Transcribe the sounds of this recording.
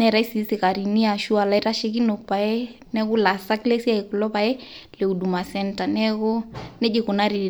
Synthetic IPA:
nɛ˨ɾa˨i˦si˨si˨ka˨ɾi˨ni˦a˨ʃu˦a˨la˦i˦ɾa˦ʃi˦ki˦no˨pa˨ɛ˦ | nɛ˦ɣu˦la˨sa˦klɛ˦si˦a˦i˨klɔ˦pa˨ɛ˦ | le˨u˨du˨ma˨sɛ˦nta˨nɛ˦ɣɔ˦nɛ˦d͡ʒe˨ku˨na˦ɾi˨

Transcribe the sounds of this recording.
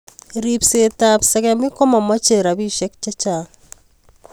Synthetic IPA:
ɾi˨pse˨ta˨psɛ˨kɛ˦mi˦kɔ˦ma˨ma˦t͡ʃe˨ɾa˨bi˦ʃe˦k̚t͡ʃa˦t͡ʃa˨

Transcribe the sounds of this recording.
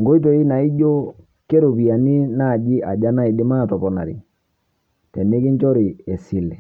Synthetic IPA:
ŋɡo˦i˦t̬o˨i˦na˨i˦ɟo˦ | ke˦ɾo˨pi˨a˨ni˦na˦˨d͡ʒi˦ʔa˨d͡ʒa˦na˦i˨di˦ma˦˨tɔ˨pɔ˨na̰˨ɾḭ˨ | tɛ˨ni˦ki˦ɲt͡ʃɔ˦ɾi˨ɛ˨si˨lɛ˨

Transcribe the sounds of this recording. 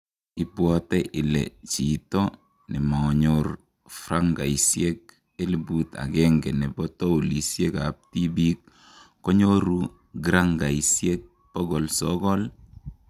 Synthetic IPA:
i˨bwɔtɛ˦ʔɪ˨lɛ̰t͡ʃitɔ˦ | nɛ˨ma˨ɲoɾ | fɾaŋɡa˨isjek̚ | e˦li˨buta̰˨ɡɛŋɡɛ˨nɛ˨bɔtɔ˦o˨li˨sje˦kap̚ti˦bi˦k̚ː | ɔ˦ɲo˦ɾu˦ | ɡɾaŋɡa˨isje˦k̚ | pɔ˦ɡɔ˨lsɔɡɔ˦l

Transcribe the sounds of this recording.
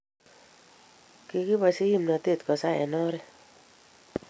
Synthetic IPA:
ki˨ki˦ba˨si˦ji˦˨mna˨t̪e˦˨t̪kɔ˨sa˦ɛ̰˨nɔ˦ɾɛ˦

